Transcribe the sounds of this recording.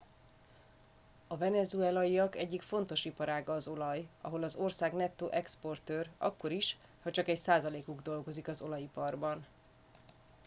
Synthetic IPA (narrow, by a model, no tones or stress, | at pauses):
ɒvɛnɛzuɛlɒiɒkɛɟːikfo̞n̪t̪o̞ʃipɒɾaːɡɒːzo̞lɒjɒ̰ɦo̞lɒzo̞rsaːɡnɛt̪ːoːʔɛkspo̞rt̪øːrɒ̰kːo̞ɾiʃ | hɒt͡ʃɒkɛcsaːzɒleːkuɡd̪o̞lɡo̞zikɒzo̞lɒjipɒrbɒn